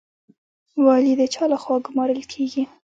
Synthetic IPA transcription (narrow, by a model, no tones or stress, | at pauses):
wɑlid̪ət͡ʃɑlaxwɑɡʊmɑɾəlkʰeɡi